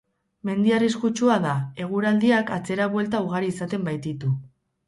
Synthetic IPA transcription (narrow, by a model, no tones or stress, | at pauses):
me̞nd̪iariskut͡ʃuaðae̞ɣ̞uɾald̪iakat͡se̞ɾaβwe̞lt̪auɣ̞aɾiːsat̪e̞mbajt̪it̪u